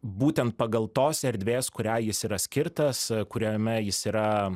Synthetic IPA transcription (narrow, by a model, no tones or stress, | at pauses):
buːt̪ʲɛnt̪̚pɐɡɐlˠt̪oːsɛɾʲd̪ʲʋʲeːskʊɾʲæːjɪsiːɾɐsʲkʲɪɾt̪ɐskʊɾʲomʲɛjɪsiːɾɐ